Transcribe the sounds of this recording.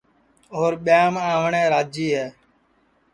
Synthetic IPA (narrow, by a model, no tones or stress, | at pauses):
oːɾɓɪjaːmãːʋɳẽːɾaːd͡ʒiːɦɛː